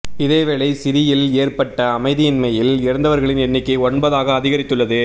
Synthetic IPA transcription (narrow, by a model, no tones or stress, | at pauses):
ɪðeːʋɛɭɐɪsɪɾɪjɪleːrpɐʈːɐːmɐɪðɪjɪnmɐjɪlɪɾɐnd̪ɐʋɐɾɣɐɭɪnɛnːɪkːɐɪɔɳbɐðaːɣɐːðɪɣɐɾɪt̪ːɯɭːɐðɯ